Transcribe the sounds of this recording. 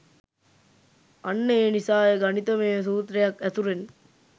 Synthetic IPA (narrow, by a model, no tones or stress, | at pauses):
ɐnːeːnisaːjɐɡɐnit̪ɐmeːs̬uːt̪ɾɐjɐkɐt̪uɾen